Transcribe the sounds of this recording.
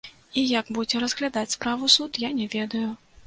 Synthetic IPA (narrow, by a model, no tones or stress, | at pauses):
ijɐɡbud͡zʲɛɾɐzɣlʲad̪at͡sʲspɾavusut̪janʲɛvʲɛd̪ɐju